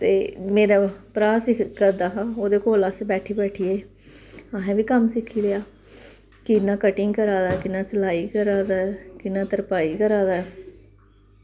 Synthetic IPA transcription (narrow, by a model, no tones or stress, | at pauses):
t̪eːmeːɾaːpɾaːsɪkʰkəɾd̪aːɦãːoːd̪eːkoːlasbɛːʈʰiːbɛːʈʰiːeː | aːɦɛ̃ːbiːkəmsɪkʰːiːlejaː | kɪnãːkəʈɪŋɡkəɾaːd̪aːkɪnaːsəlaːiːkəɾaːd̪aːɛkɪnãːt̪əɾpaːiːkəɾaːd̪aːɛ